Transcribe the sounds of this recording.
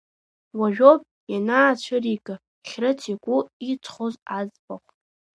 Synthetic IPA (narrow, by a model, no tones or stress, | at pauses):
waʒᶣop̚ʼ | janaːt͡ɕʷʰaɾikʼɨ | χʲrɨt͡sʰikʷʼʊit͡sʰʼχozad͡zbaχʷtʼ